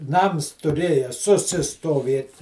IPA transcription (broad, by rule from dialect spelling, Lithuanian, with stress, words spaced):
ˈnɐms tʊˈrʲeːjɛ sʊsʲɪstoːˈʋʲeːt